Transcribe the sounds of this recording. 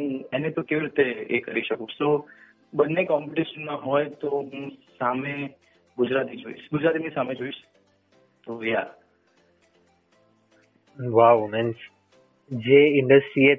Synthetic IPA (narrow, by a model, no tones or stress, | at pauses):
enet̪okeʋiɾit̪eḛkə̰ɾiʃəkũso | bənːekɔmpiʈiʃənmãɦɔjt̪oɦũsame | ɡʊd͡ʒɾat̪id͡ʒoḭʃɡʊd͡ʒɾat̪inisamed͡ʒoiʃ | t̪oja̰ | ʋawmɛns | d͡ʒeɪɳɖəsʈɾie